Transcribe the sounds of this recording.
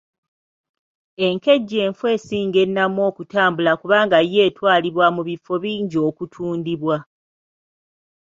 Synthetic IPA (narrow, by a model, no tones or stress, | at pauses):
e̞ŋke̞ɟːe̞ːɱfwe̞ːsiːŋɡe̞nːamwo̞ːkutaːmbulakuβaːŋɡaje̞ːtwaːliβwamuβifo̞βiːɲɟio̞ːkutʰuːndiβwa